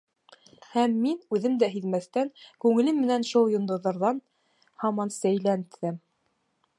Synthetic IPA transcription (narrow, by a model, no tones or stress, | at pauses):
hæmːinʉðɘmd̪æɦiðmæθt̪æŋkʉŋɘ̆lɘmːɘ̆nænʃolˠjŏnd̪ŏðɤ̆ɾðɑn | hɑmɑnsæjlænt̪ʰːɘm